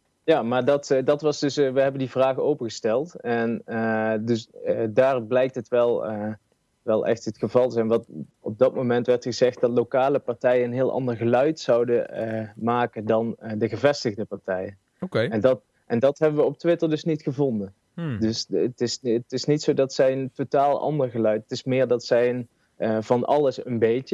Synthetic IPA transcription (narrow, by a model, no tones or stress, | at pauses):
jaːmaːɹdɑtdɑtʋɑsdɵsʋəɦɛbəndivraːɣəowpəɣəstɛlˠtɛndɵsdaːrblɛjk̚tətʋɛlˠ | ʋɛlˠʔɛ̰xtɦətχəvɑlˠtzɛnʋɑt | ɔb̚dɑt̚momɛntʋɛɹtχəzɛχt̚d̥ɑtlowkaːləpɑɹtɛjəənɦɪːlˠʔɑ̰ndəɹɣəlœɥtsɑwdəmaːkəndɑndəɣəvɛstəɣdəpɑɹtɛjən | kɛndɑt | ʔɛndɑtɦɛbəʋəɔp̚tʋɪtəɹdɵsnitχəvɔndən | dɵstɪstɪsnitsowdɑtsɛjəntotaːlˠɑ̰ndəɹɣəlœɥtətɪsmɪːɹdɑtsɛjən | əvɑnʔɑ̰lˠəsənbejtə